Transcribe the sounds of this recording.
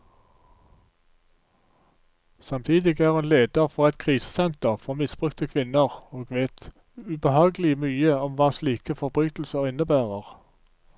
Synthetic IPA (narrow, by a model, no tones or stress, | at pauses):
sɑmt̪ʰiːd̪ɪɡæːʁɛːnleːd̪əʁfɔʁɛt̪kʰʁiːsə̥sɛnt̪əʁfɔʁmɪsb̥ʁʉkt̪əkʰʋɪnəʁoːɡʋeːt̪ | ʉbəhɑːɡəlɪmyːəɔmʋɑːsliːkəfɔʁbʁyːt̪l̩səʁɪnəbæːʁəʁ